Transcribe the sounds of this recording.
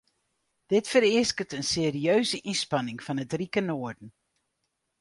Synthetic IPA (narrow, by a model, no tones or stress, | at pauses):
d̥ɪtfəɾɪəskətənseːriøɥzəʔinspɑnɪŋfɑnətrikənoərdən̩